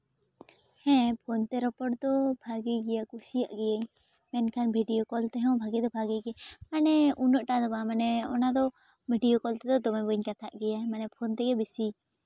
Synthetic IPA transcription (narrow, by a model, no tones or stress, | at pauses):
hɛ̃pʰɔnt̪ɛɾɔpɔʈ̚d̪ɔbʱaɡɛɡɛjakusijaʔɡɛjaɲ | mɛnkʰanbʱiɖijokɔlt̪ɛɦɛw̃bʱaɡɛd̪ɔbʱaɡɛɡɛmanɛunəʔʈad̪ɔbamanɛɔ̰nad̪ɔ | bʱiɖijɔkɔlt̪ɛd̪ɔd̪ɔmɛbəɲkat̪ʰaʔɡɛjamanɛpʰɔnt̪ɛɡɛbisi